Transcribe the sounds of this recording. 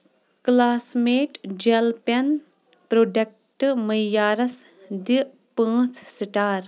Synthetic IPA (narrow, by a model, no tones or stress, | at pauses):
klaːsmeːʈd͡ʒelpɐn | pɾoɖɐk̚ | ʈməjjːaːɾɐs | d̪i | pãːt͡sʰsiʈaːɾ